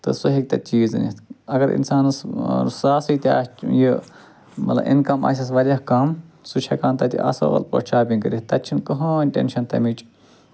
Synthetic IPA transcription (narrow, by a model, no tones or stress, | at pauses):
t̪ɨ̰suɦik̚t̪ɐt͡ʃiːznḭɐɡɐɾḭnsaːnɨssaːsit̪ʲiat͡ʃji | mɐt̪lɐ̰ʔḭnkɐma̰ːsʲɐs̬ʋɐlʲɐkaːm | sut͡ʃʰɐkaːnt̪ɐt̪ʲḭʔɐ̰so̰ɣɐ̰lpo̰t͡ʃʰaːbʲinkɨɾit̪ɐt͡ʃʰinkɐɦonʲʈʲḛnʃɐnt̪ɐ̰mit͡ʃʼ